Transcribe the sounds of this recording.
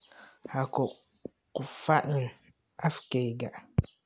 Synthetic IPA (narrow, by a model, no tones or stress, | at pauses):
hakɔ | kufaʔɨŋ | afkeɡaʔ